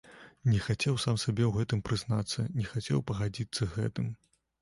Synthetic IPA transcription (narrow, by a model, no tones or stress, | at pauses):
nʲɛxat͡sʲɛwsamsʲabʲɛwɣɛt̪ɨmpɾɨznat̪sːɐnʲɛxat͡sʲɛ̰wpɐɣad͡zʲit̪sːɐɣɛ̰t̪ɨm